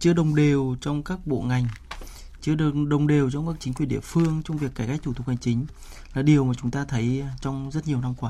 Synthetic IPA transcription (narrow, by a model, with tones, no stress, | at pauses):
t͡ɕɨ˧əɗə˨˩wŋ͡mɗe˨˩wt͡ɕɔ˧wŋ͡mkaː˦˥k̚ɓo̰˧˨ŋa˨˩jŋ̟ | t͡ɕɨ˧ə˨ɗə˨˩wŋ͡mɗe˨˩wt͡ɕɔ˧wŋ͡mkaː˦˥k̚t͡ɕï˨˦kwi˨˩əɗḭ˧˨əfɨ˧əŋt͡ɕɔ˧ŋ͡mvi˨˩əkːaː˧˩jka˦˥k̚t̪u˧˩t̪ʊ˨˩ha˨˩ŋ̟t͡ɕï˨˦ŋ̟ | laː˨˩ɗi˨˩əwmaː˨˩t͡ɕʊ˨˦ŋ͡mt̪aː˧t̪ʰə˨˦jt͡ɕɔ˧wŋ͡mzə˦˥t̚ɲi˨˩əwna˧mkwaː˨˦